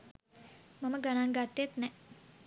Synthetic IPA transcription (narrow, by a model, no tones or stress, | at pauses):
maməɡanaŋɡat̪ːjet̪nɛ